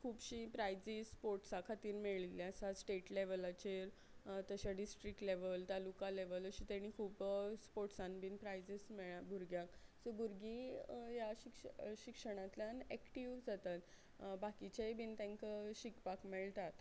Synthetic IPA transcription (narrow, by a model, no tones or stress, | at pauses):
kʰuːpɕipɾajd͡zipoɾʈsakʰat̪iːɾmeɭiliasasʈeʈleʋəlat͡ɕeɾ | t̪əɕaɖisʈɾik̚ʈleʋəlt̪alukaleʋələɕit̪aɽ̃ikʰuːpspoɾʈsãnbʱiːnpɾajd͡zismɛɭabʱuɾɡjãksəbʱuɾɡijaɕikʂɕikʂəɽ̃ãt̪ljanɛkʈiʋd͡zat̪at̪ | bakit͡ɕebʱiːnt̪ẽŋkəɕikpakmɛɭt̪at̪